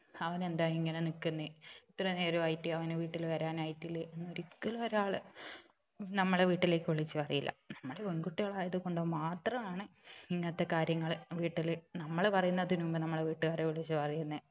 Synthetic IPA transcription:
ɐʋɐne̞nd̪aːiŋːɐnenikːunːɨit̪ːrɐne̞ːɾoɐjtːiɐʋɐneʋiːʈːilʋɐɾaːnɐjtːilːɨenːoɾikːɐlɐoɾaːɭɨ | nɐmːɐɭeʋiːʈːile̞ːkːɨʋiɭit͡ɕːɨpɐrɐjilːɐ̰nɐmːɐɭeoŋɡuʈːiɣɐɭaːjɐðɨko̞ɳɖomaːt̪rɐmaːɳɨiŋːɐnɐt̪ːe̞kaːɾjɐŋːɐɭʋiːʈːilnɐmːɐɭpɐrɐjunːɐðinumbonɐmːɐɭeʋiːʈːɨkaːreʋiɭit͡ɕːɨpɐrɐjunːɨ

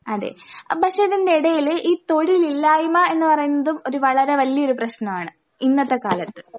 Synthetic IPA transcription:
ɐðḛːpɐɕʂeðindeiɽɐjiliːt̪o̞ɻililːaːjumɐe̞nːɨpɐrɐjunːɐðumo̞ɾuʋɐɭɐɾe̞ʋɐlːiɐoɾuprɐɕnɐmaːɳɨ | inːɐt̪ːeka̰ːlɐt̪ːɨ

